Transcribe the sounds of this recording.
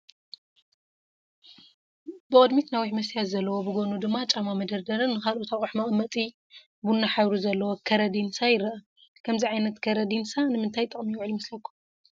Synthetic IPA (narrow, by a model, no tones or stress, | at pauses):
bɨkʼɐd̪mit̪nawiħmɐsjat̪zɐlːɐwobɨɡo̞nud̪ɨmːat͡ʃʼamamɐd̪ɐɾd̪ɐɾɨnːɨkʰalot̪ʰaχʼuħmɐχʼmːɐt̪ʼi | bunːaħaβɾuzɐlːɐwokʰɐɾɐd̪insajɪɾɐʔɐ | kʰɐmziʕajnɐt̪kʰɐɾɐd̪insanɨmɨnt̪ʰajt̪ʼɨχʼmiwʕlmɐslɐkʰːu̥